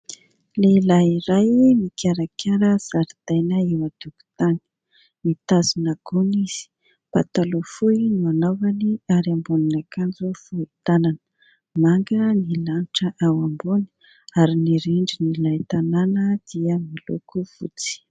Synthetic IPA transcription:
lelaiɾajmikʰʲaɾakʰʲaɾəz̥aɾd̪̥ajnəiwad̪uku̥t̪ani̥ | mit̪azinaɡuniz̥i̥ | pat̪alofuinuanavaniaɾambuninakand͡zufuit̪ananə̥ | maŋɡənilaniʈ͡ʂəʔawambuni̥ | aɾiniɾiɳɖ͡ʐinilajt̪ananəd̪̥iəmilṵkuv̥ṵt͡si̥

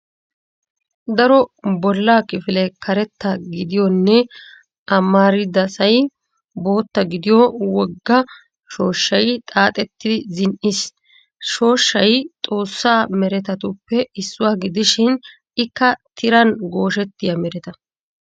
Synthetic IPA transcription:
d̪ɐɾɔbɔlːaːkɪfɪlɛkʰɐɾɛt̪ːɐɡɪd̪ɪjɔnːɛ | ɐmːaːɾɪd̪ɐsɐj | bo̞ːt̪ːɐɡɪd̪ɪjɔwɔɡːɐ | ʃo̞ːʃːɐjt̪ʼaːt̪ʼɛt̪ːɪɪzɪnʔɪs | ʃo̞ːʃːɐjt̪ʼo̞ːsːaːmɛɾɛt̪ɐt̪ʊpːɛɪsːʊwaːɡɪd̪ɪʃɪn | ɪkːɐt̪ʰɪɾɐnɡo̞ːʃɛt̪ːɪjɐmɛɾɛt̪ɐ

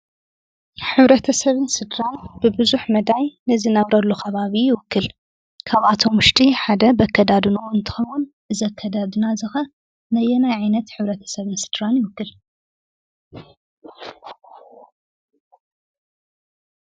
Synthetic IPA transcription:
ħɨβɾɐt̪ʰɐsɐβɨnsɨd̪ɾanb̥ɨbɨzuħmɐd̪ajnɐzɨnɐβɾɐlːukʰɐβaβijɪwʊkːɨl | kʰaβat̪ʰo̞mʊʃt̪ʼiħad̪ɐbɐkʰːɐd̪ad̪ɨnuɨnt̪ʰɨ̥xɐwun | ʔɨzɐkʰːɐd̪ad̪ɨnazɨxɐ | nɐjɛnajʕajnɐt̪ħɨβɾɐt̪ʰɐ̥sɐβɨnsɨd̪̥ɾanjɪwʊkːɨl

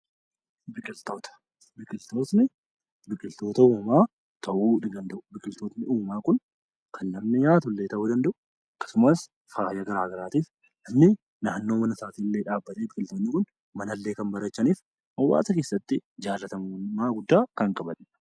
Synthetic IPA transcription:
bɪkʼɪlt̪o̞ːt̪ɐ̥ | bɪkʼɪlt̪o̞ːsnɪ | bɪkʼɪlt̪o̞ːt̪ɐuːmaː | t̪ʰɐʔuːᶑɪɡɐnd̪ɐʔʊ̥bɪkʼɪlt̪o̞ːt̪nɪuːmaːkʊn | kʰɐnːɐmnɪɲaːt̪ʊlːe̞ːt̪ɐʔuːd̪ɐnd̪ɐʔʊ | ɐkːɐ̥sʊmɐs | faːjɐɡɐɾaːɡɐɾaːt̪iːf | nɐmnɪ | naːnːo̞ːmɐnɐsaːt̪iːlːeːᶑaːbːɐt̪eːbɪkʼɪlt̪oːnːɪkʊn | mɐnɐlːe̞ːkɐnbɐɾɐt͡ʃːɐniːf | ʔɐwːa̰ːsɐke̞ːsːɐt̪ːɪd͡ʒaːlːɐt̪ɐmmaːɡʊd̪ːaːkɐŋkʼɐbɐn

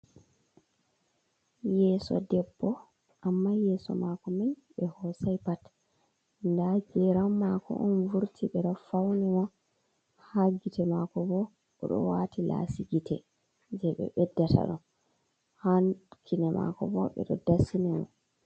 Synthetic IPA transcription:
jɛːsɔ̰dɛbːɔ | ʔamːajɛsɔ̰makɔmin | ɓɛhɔsajpat | ndad͡ʒɛɾamːakɔ̰ʔɔnvuɾtʰiɓɛɗɔfawnimɔ | haɡitɛmakɔbɔ | ɓɔ̰ɗɔ̰watila̰siɡitɛ | d͡ʒɛɓɛ̰ɓɛdːata̰ɗɔn | hankʰinɛma̰kɔbɔɓɛ̰ɗɔ̰dasinɛmɔ̰

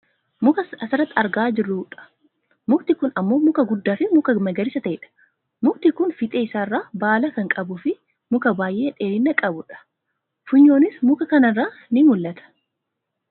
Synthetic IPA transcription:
mʊkɐsɐsɪrːɐt̪ːɐɾɡaːd͡ʒɪrːʊᶑɐ̥ | mʊkt̪ɪkʊnɐmːo̞ːmʊkɐɡʊd̪ːaːfɪmʊkɐmɐɡɐɾɪsɐt̪ɐʔɛᶑɐ̥ | mʊk̚t̪ɪkʊnfɪt̪ʼe̞ːɪsaːrːaːbaːlɐkɐŋkʼɐbʊfɪ | mʊkɐbaːjʔe̞ːᶑe̞ːlɪnːɐkʼɐbʊᶑɐ̥ | fʊɲːo̞ːnɪsmʊkɐkɐnɐrːaː | nɪmʊlːɐt̪ɐ̥

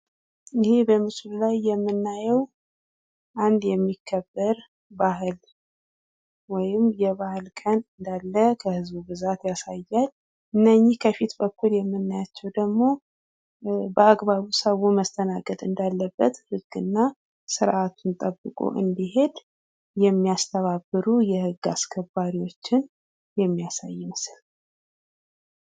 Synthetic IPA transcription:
ʔɪhe̞bəmɨsɨllajːɛmːɨnːajɛw | ʔand̪jɛmːikʰːəbːəɾ | baɦɨl | wɔjɪmjɛβahɨlkʼənɨnd̪alːəkʰəhɨzbubɨzat̪jasajːal | ʔɨnːəɲːɪhkʰəfit̪bəkːuljɛmːɨnːajat͡ʃːɛwd̪əɡmo̞ | bəaɡbaβusəβuməst̪ʰənakʼət̪ʼɨnd̪alːəbːət̪hɨɡ̥ːɨnːa | sɨɾʔat̪ʰunt̪ʼəbːɨkʼo̰ʔɨ̰nd̪iɦe̞d̪ | jɛmːiast̪ʰəβabːɨɾujɛhɨɡːa̰skʰəbːaɾiwo̞t͡ʃːɪn | jɛmːijasa̰jːɪməsɨl

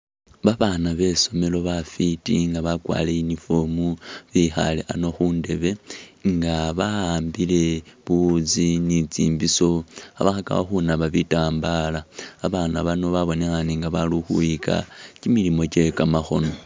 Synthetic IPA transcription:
βaβanaβe̞so̞me̞lo̞βafitḭŋɡaβakwa̰ːle̞inifo̞muβixa̰leʔano̞xuːnde̞βe̞ŋɡaβaaːmbile̞βuzinit͡sḭːmbiso̞aβaxaka̰βa̰xunaβaβitaːmbalaːβaːnaβano̞βaβo̞nexaniŋɡaβaluxuika̰t͡ʃimilimo̞t͡ʃe̞kamaxo̞̰no̞

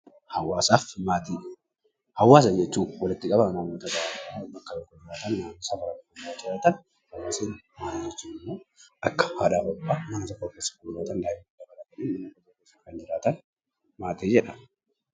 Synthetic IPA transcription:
hɐwaːsaːfmaːt̪iː | hɐwːaːs̬ɐd͡ʒɛt͡ʃːuːwɔlɪt̪ːɪkʼɐbɐɐnamoːt̪ɐɡɐabɐkːɐjɔkːʊd͡ʒɪɾaːt̪ɐnːaːnːɪsabɐɾɐkːkɐaːd͡ʒɪɾaːt̪ɐn | hɐwːaːseːnmaːt̪id͡ʒɛt͡ʃːuːnɪmːo̞ːʔɐkːɐ̥haːᶑaːbɔbːaːmɐnɐt̪ɔkːoːkːesːɐ̥ɡuːlaːt̪ɐnd̪aːhɪmɐd̪ɐbɐlɐk̪ɐnenmɐnːɐkːɐt̪okːeːsːɐkɐnd͡ʒɪɾaːt̪ɐn | maːt̪eːd͡ʒɛᶑɐ̥

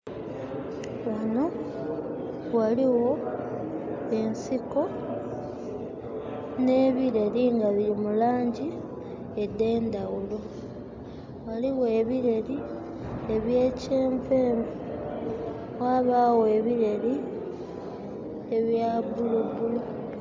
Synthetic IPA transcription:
wono | waliwo̞ | e̞nsiko̞ | ne̞ːβiɾe̞liŋɡaβiɾimulaːɲɟi | ede̞ːnd̪awulo̞ | waliwoeβiɾe̞li | e̞βje̞ːceːɱveːɱvu | waːβaːwe̞βiɾeli | eβjabulubulo

